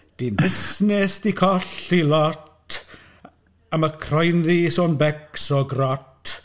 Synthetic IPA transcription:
d̥indɪsnɛsd̥ikʰɔɬilɔt | aməkʰrɔjnðisoːnbɛksɔɡrɔtʰ

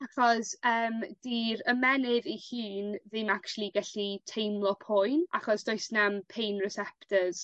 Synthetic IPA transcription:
aχɔsəːmd̥iɾəmɛnɪðihiːnðɪmakt͡ʃulˠiɡaɬitʰejmlˠɔpʰʊjnʔa̰χɔsd̥ʊɨsnampʰejnrɪsɛptʰəz̥

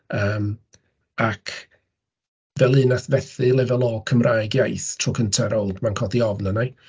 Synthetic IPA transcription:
əːm | akʰ | vɛlˠɨnaθvɛθɨlˠɛvɛlˠɔkʰəmrʔaːjɡjajθtʰrʊkʰəntʰɛɾɔlˠdmankʰɔdiɔvnənaj

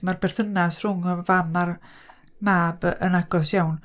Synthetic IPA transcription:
marbɛrθənasr̥ʊŋɔvamar | maːbənaɡɔsjawn

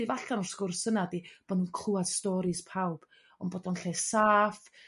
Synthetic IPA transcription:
ivaɬanɔskʊrsənadib̥ɔnunkʰl̥ˠuad̥stɔɾispʰawb̥ | ɔnbodɔnɬesaːf

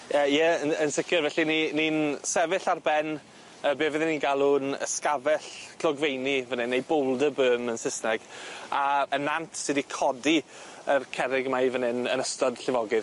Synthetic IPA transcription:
əjəənənsɪkʰjɔrvɛɬininiːnsɛvɪɬarbɛn | əːbeːvɪðɛniːnɡalˠunə̰skavɛɬkʰlˠɔɡvejnivənɪnejbowlˠdəbøːmənsɪsnɛɡ̥aənantʰsɨdikʰɔdiərkʰɛɾɪɡmajvənɪnənəstɔd̥ɬɪvɔɡɨ

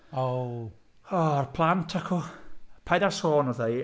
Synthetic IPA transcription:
ow | ɔarpʰlantʰakʰupʰajdasoːnɔðej

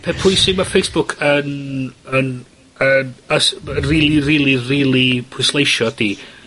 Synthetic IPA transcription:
pʰɛpʰʊjsɪmafejsb̥ʊkʰənən | ənəsriːlˠiriːlˠiriːlˠipʰʊɨslˠejʃɔd̥iː

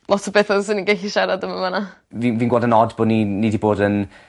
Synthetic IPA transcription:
lˠɔtʰɔbeθɔsɪninɡaɬiʃaɾadəmamanaviːnviːnɡwɔdənɔdboːdninidiboːdən

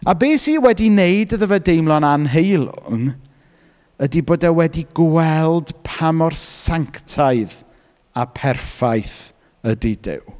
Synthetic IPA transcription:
abeːsiwɛdinejdəðəvɛdejmlˠɔnanɦejlˠʊ̰n | ədiboːdawɛdiɡwɛlˠd̥pʰamɔrsaŋktʰajð | apʰɛrfajθ | ədidɪ̰w

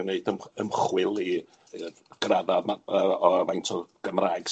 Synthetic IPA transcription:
neɨdəməmχwɪlˠi | ɡ̥raðaməɔmajntʰɔɡ̥əmraːɡ̥s

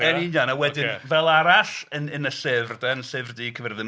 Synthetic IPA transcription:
ɛnɪnjanawɛdɪnvɛlˠaɾaɬənənəsevrdɛnsevrdikʰəvɛrðɪn

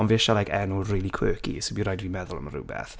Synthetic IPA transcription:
ɔnveʃalajkʰɛnuriːlˠikʰwøːkḭsobiɾajdviːmɛðʊlˠə̰məɾṵːbɛ̰θ

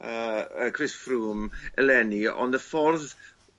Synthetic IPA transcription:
əəkʰrɪsfruːmɛ̰lɛniɔ̰ndəfɔrð

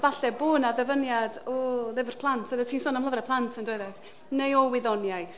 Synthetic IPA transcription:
vaɬɛboːnaðɛvənjadɔlɪvr̥pʰlˠantʰəðətʰiːnsoːnamlˠəvrɛpʰlˠantʰəndweɨðɛt | nejɔwɪðɔnjaj

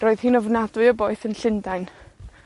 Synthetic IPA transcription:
oːɨð̥hiːnɔvnadwɨɔboːɨθənɬɪndajn

